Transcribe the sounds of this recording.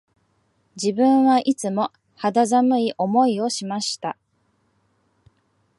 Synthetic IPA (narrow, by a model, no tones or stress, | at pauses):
d͡ʑibɯ̃ɰ̃βaʔit͡sɨmo̞ | had̪azamɯ̟iʔo̞mo̞io̞ɕimaɕi̥t̪a